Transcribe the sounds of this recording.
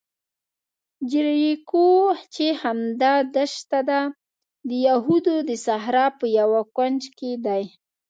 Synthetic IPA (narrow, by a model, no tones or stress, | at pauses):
d͡ʒɪɾjekot͡ʃehamd̪ɑd̪əʃt̪ad̪a | d̪əjaɦud̪od̪əsaɦɾɑpəjawakwand͡ʒked̪aj